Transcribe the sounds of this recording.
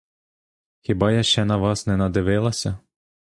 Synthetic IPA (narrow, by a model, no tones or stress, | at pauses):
xʲibɑjaʃt͡ʃɛnɐʋɑsnɛnɐd̪ɪʋɪlˠɐsʲɐ